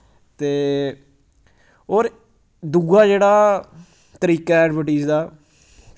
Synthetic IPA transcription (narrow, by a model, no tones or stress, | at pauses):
t̪eː | ɦoːɾ | d̪uɡaːd͡ʒeːɽaː | t̪əɾiːkaːɛːɖbəʈiːzd̪aː